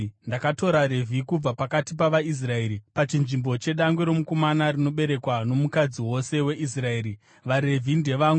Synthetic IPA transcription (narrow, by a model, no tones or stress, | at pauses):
ndakato̞ɾaɾe̞vʱikub͡vapakatip̬aʋais̬rae̞ɾipat͡ʃinʐimbo̞t͡ʃe̞ɗaŋɡweɾo̞muko̞manarino̞ɓe̞ɾe̞kwano̞mukad͡ziwo̞se̞we̞ʔisrae̞ːɾi | ʋaɾe̞vʱinde̞ʋaŋɡu